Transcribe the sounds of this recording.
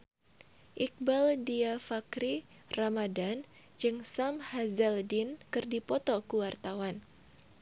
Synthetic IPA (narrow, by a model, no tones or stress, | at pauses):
ʔik̚baldiafakɾi | ramadan | d͡ʒɨŋsamhazɛldinkɨrdipɔt̪ɔkuwart̪awan